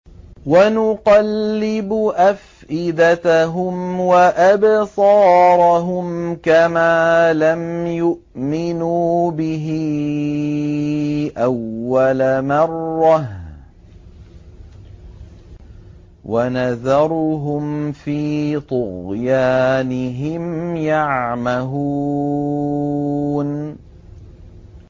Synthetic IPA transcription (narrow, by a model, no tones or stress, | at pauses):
wanʊqɑlːɪbʊʔaf | ʔɪd̪at̪aɦʊmwaʔabsˤɑːɾˤɑɦʊmkamaːlamjʊʔmɪnubɪɦɪ | ʔawːalamɑrːɑh | wʔanaðɑɾˤɦʊmfiːt̪ˤʊɣjaːnɪɦɪmjaʕmaɦuː | n